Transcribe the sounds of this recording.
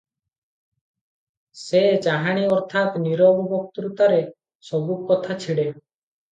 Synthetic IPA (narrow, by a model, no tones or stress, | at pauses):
sed͡ʒaɦaɽ̃iɔɾt̪ʰat̪niɾɔbɔbɔk̚t̪ɾut̪aɾe | sɔbukɔt̪ʰat͡ʃʰiɽe